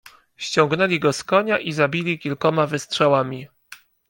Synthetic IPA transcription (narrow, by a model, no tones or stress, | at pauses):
ɕt͡ɕɔ̃ŋɡnɛlʲiɡɔskɔɲaʔizabʲilʲikʲilkɔmavɘstʂawamʲi